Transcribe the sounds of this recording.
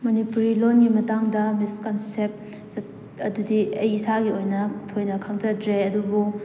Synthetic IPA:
mɐnipuɾilonɡimɐtaŋdɐmiskɐnsep̚ | ɐdudiɐjisaɡiojnɐtʰojnɐkʰaŋd͡ʒɐdɾeɐdubu

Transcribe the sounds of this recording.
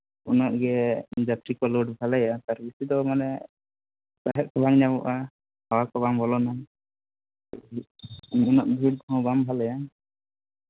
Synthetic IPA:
unɔʔɡɛd͡ʒat̪ɾikɔluɖbʱalɛjat̪aɾbisid̪ɔmanɛ | saɦɛt̪̚kʰɔbaŋɲabɔ̰ʔa | hawakɔbambɔlɔna | unɔʔ̚bʱiɽhɔ̃bambʱalɛja

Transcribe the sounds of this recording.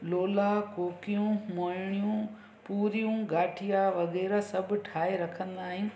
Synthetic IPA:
loːlakoːkijũmoːɪɽ̃ijũ | puːɾijũːɡaːʈʰijaʋɐɣɛːɾasɐbʱʈʰaːeɾɐkʰə̃nd̪aːɦɪn̆

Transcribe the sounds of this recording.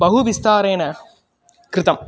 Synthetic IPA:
bɐɦuʋɪst̪aːɾeːnɐ | kɾɪt̪ɐm

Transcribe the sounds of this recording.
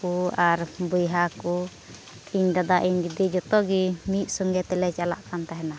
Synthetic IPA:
uaɾbujɦaku | iɲd̪ad̪aʔiɲɡid̪id͡ʒɔt̪ɔɡimit̪̚sɔŋɡɛt̪ɛlɛt͡ʃala̰ʔkant̪aɦɛna

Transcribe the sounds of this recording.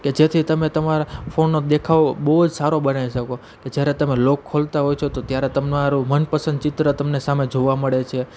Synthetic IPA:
ked͡ʒet̪ʰit̪əmet̪əmaɾafonːod̪ekʰaʋobəɦud͡ʒsaɾobənaʋiʃəko | ked͡ʒjaɾet̪əmelokʰːolt̪aɦojt͡ʃʰot̪ot̪jaɾet̪əmnaɾũmənpəsənd̪t͡ʃɪt̪ɾət̪əmnesamed͡ʒoʋaməɭet͡ʃʰe

